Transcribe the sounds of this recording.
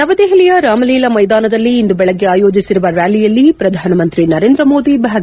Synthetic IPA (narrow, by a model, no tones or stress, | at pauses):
nɐʋɐd̪eɦilijɐɾaːmɐliːlɐmɐjd̪aːnɐd̪ɐlːiːnd̪ubɛɭɐɡːeaːjo̞ːd͡ʒisiɾuʋɐɾjaːlijɐlːipɾɐd̪ʱaːnɐmɐnt̪ɾinɐɾeːnd̪ɾɐmo̞ːd̪ibʱaːɡ